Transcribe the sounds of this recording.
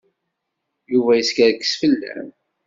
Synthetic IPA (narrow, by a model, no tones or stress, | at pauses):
juvæjəskæɾkːə̥sfəlːæ̰m